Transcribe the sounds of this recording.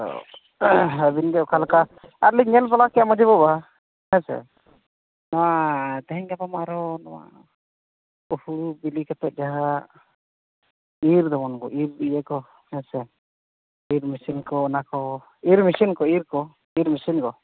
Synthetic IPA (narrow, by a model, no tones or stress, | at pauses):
ɔ̰ | əbinɡɛɔkʰalka | aɾliɲɛlpalakɛjamɔd͡ʒɛbɔba | hɛ̃sɛ̰ | nawat̪ɛɦɛɲkapamaɾɔnawa̰ | upuɽubilikɛt̪ɛt̪̚d͡ʒaɦa | iɾd̪ɔmɔnɡɔʔiɾd̪ijɛkɔ | hɛsɛ | iɾmisinkɔnakɔ | iɾmisinkɔiɾkɔ | iɾmisinkɔ